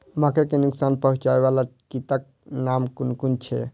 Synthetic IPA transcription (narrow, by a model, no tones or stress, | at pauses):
makekenuksanpəɦũt͡ʃaebalakit̪ək̚ | namkunkunt͡ʃʰɛ̰